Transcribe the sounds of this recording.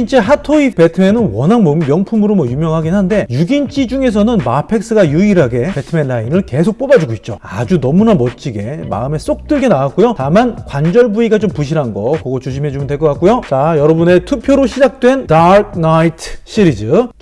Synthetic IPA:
int͡ɕ͈eɦatʰoipe̞tʰɯme̞nɯnwʌnɦaŋmʌmmjʌŋpʰumɯɾomwʌjumjʌŋɦaɡinɦande̞juɡint͡ɕ͈ʰid͡ʑuŋe̞s̬ʰʌnɯnmapʰe̞k̚s͈ɯɡajɯiɾɦaɡe̞pe̞tʰɯme̞nːainɯɭke̞sʰok̚p͈obad͡ʑuɡoit̚t͡ɕ͈o̰ad͡ʑunʌmunamʌt̚t͡ɕ͈iɡe̞ma̰ɯme̞s͈ok̚t͈ɯɭɡe̞nawak͈ujotamankwand͡ʑʌɭbuiɡat͡ɕompuɕ̬ʰiɾanɡʌkʌɡot͡ɕuɕʰimed͡ʑomdwek͈ʌk͈ak͈ujot͡ɕajʌɾʌbune̞tʰupʰjoɾoɕʰid͡ʑak̚t͈we̞ndaɾk̚ʰnaitʰɕʰiɾid͡ʑɯ

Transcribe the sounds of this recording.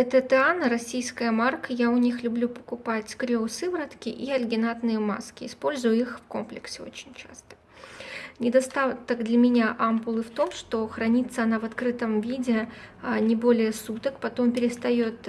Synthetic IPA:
ɛt̪ət̪ɨanəɾɐsʲijskəjəmarkəjaʊnʲixlʲʊblʲupə̥kʊpatʲkɾʲosɨvɾət̪kʲɪʔiɐlʲɡʲɪnat̪nɨjəma̰skʲɪɪspo̞lʲzʊjʊixfko̞̰mplʲɪksʲɪo̞̰t͡ɕɪnʲt͡ɕa̰st̪ə̥ | nʲɪd̪ɐst̪at̪əɡd̪lʲəmʲɪnʲaʔampʊlˠɨft̪o̞mʂt̪o̞xɾɐnʲit̪səɐnavɐt̪kɾɨt̪əmvʲidʲɪnʲɪbo̞lʲɪjəsut̪əkpɐt̪o̞mpʲɪɾʲɪst̪ɐjot̪

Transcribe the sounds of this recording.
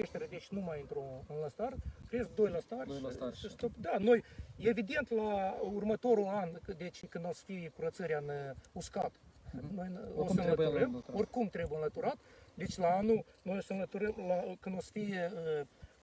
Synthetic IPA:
eʃt̪eɾʲed̪e̞t͡ʃʲnumajɨnt̪ɾoɨnləst̪arkɾeesk̚d̪o̞jləst̪arʲest̪opd̪ano̞je̞vid̪e̞nt̪laurmət̪o̞ɾuand̪e̞t͡ʃʲkɨnd̪osə̥fikuɾət̪səɾʲeanuskat̪nojosənlət̪uɾəmo̞rʲkumt̪ɾe̞bujənlət̪uɾat̪d̪e̞t͡ʃʲlaanuno̞josənlət̪uɾəmlakɨnd̪osə̥fi

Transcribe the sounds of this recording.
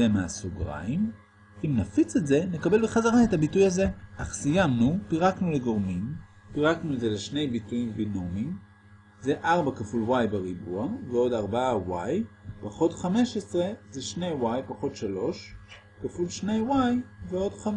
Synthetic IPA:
emeasuɡʁa̰im | imnafit͡setze̞ne̞kabe̞lbeχazaʁaetabitujaze̞ʔaχsijamnupiʁaknule̞ɡo̞ʁmim | piʁaknulezeleʃne̞jbitujimbinomim | ze̞ʔaʁbakafulwajbeʁibuaveo̞daʁbaawajpaχo̞tχame̞ʃesʁe̞zeʃne̞jwajpaχo̞tʃalo̞ʃ | kafulʃne̞jwajveo̞dχam

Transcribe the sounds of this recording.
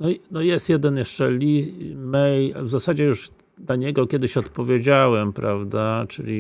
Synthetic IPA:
nɔnɔjɛst̪jɛd̪ɛnjɛʂt͡ʂɛlʲimɛjvzasad͡ʑɛjuʐ | d̪laɲɛɡɔkʲjɛd̪ɘɕɔt̪pɔvʲjed͡ʑawɛmpɾavd̪at͡ʂɘ̰lʲi

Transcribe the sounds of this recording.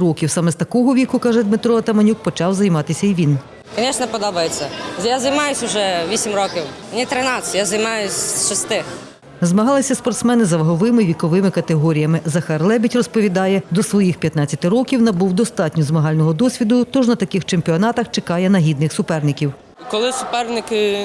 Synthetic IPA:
ɾɔkʲiwsɑmɛst̪ɐkɔɦɔʋʲikʊkɑʒɛd̪mɪt̪ɾɔɐt̪ɐmɐnʲuk̚pɔt͡ʃɑwzɐjmɑt̪ɪsʲɐiʋʲin | kɐnʲɛʃnɛpɔd̪ɔbɐjet͡sʲːɐjazɐjmɑjʊsʲʊʒɛʋʲisʲimrɔkʲiwnʲit̪ɾɛnɑsʲjazɐjmɑjʊsʲʃɔst̪ɪx | zmɐɦɑlˠɪsʲɐspɔrt̪smɛnɪzɐʋɐɦɔʋɪmɪʋʲikɔʋɪmɪkɐt̪eɦɔɾʲijɐmɪzɐxɑrlˠɛbʲitʲrɔspɔʋʲid̪ɑjɛd̪ɔsʋɔjixpʲjɐt̪nɑtt͡sʲɐt̪ɪɾɔkʲiwnɐbuwd̪ɔst̪ɑtʲnʲʊzmɐɦɑlʲnɔɦɔd̪ɔsʲʋʲid̪ʊt̪ɔʒnɐt̪ɐkɪxt͡ʃemʲpʲiɔnɑt̪ɐxt͡ʃekɑjɛnɐɦʲid̪nɪxsʊpɛrnɪkʲiw | kɔlˠɪsʊpɛrnɪkɪ

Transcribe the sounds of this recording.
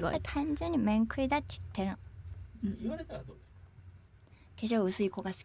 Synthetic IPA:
ɡo̰it̪ʰãɲ̟d͡ʑɨ̃ɲ̟ːimẽ̞ŋkɯ̟id̪at̪ːejɯ̥t̪ːeɾɯ̟ñ | keɕoːɯ̟sɨiko̞ɡasɨ̥

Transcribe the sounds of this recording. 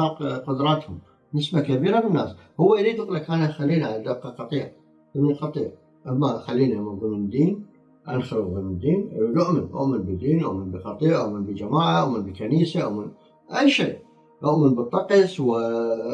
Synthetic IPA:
ɑːqqʊd̪ɾˤɑːt̪hʊm | nɪsmakabiːɾabɪnːaːshʊwːaʔliːt̪ʊqlakʔanaxalːiːnʕaad̪abqɑqɑt̪ˤiːʕ | θɪnːiqɑt̪ˤiːʕ | ʔamːaxalːiːnʔmnðˤɨmɪnd̪iːn | ʔanxalðˤɨmnd̪iːnʔnʊʔmɪnʔʊ̰ʔmɪnbɪd̪iːnʔʊʔmɪnbiqɑt̪ˤiːʕʔʊʔmɪnbɪd͡ʒamaːʕaʔʊʔmɪnbɪkaniːsaʔʊ̰ʔmɪn | ʔajʃeːʔ | ʔʊʔmɪnbɨt̪ˤːɑqɑswɪ

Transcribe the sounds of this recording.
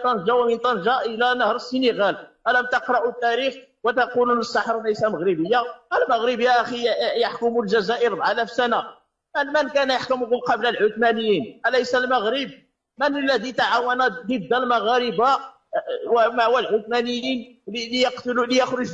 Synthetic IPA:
t̪ˤɑnʒæwmint̪ˤɑnʒɑʔəlænəhɾˤəsːəniɣælʔælæmt̪əqɾˤɑʔut̪ːæɾix | wət̪ɑqulunəsˤːɑħɾˤlæjsæməɣɾəbəjːaʔəlməɣɾəbjæʔæxijəħkʊmulʒæzæʔəɾb̪ʕalæfsæna | mnmənkænjaħkʊmhʊlqɑbləlʕʊt̪mænəjːinʔælæjsælməɣɾəb̚ | mənəlːæd̪it̪aʕawænæd̪əd̪ːælmɑɣæɾəba | wmaʕwælʕʊt̪mænəjːinllijəqt̪lulijəxɾʊʒ

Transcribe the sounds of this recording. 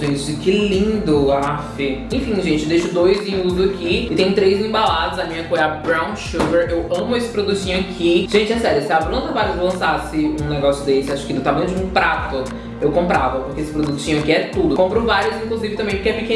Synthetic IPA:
ʒẽt͡ʃɪkɪlĩnd̪ʊafɪẽfĩʒẽt͡ʃɪd̪ejʃʊd̪ojzẽuzʊakʰiɪt̪ẽj̃ʊt̪ɾejzẽbalad̪ɐzɐmĩɲɐkõɛɐbɾãw̃ʃuveɾewɐ̃mʊesɪ̥pɾod̪ut͡ʃĩɲʊakʰiʒ̥ẽnt͡ʃɪasɛɾjʊsɪabɾõt̪ɐvaɾjʊzvowlɐ̃sasɪũneɡɔsjʊd̪esɪaʃʊ̥kɪd̪ʊt̪amɐ̃nʊd͡ʒɪũpɾat̪ʊ | ewkõmpɾavɐpʊɾkeesɪ̥pɾod̪ut͡ʃĩɲʊakiɛt̪ud̪ʊkõmpɾʊvaɾiʊzĩŋkluzivɪt̪ɐ̃mẽpokeɛpɪkẽ

